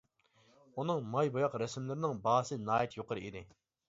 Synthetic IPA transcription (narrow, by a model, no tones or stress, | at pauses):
unɨŋmɑjbojɑqɾɛsɪmlɪɾnɪŋbɑːsɨnɑːjɛt̪ʰjoqəɾɨid̪ɪ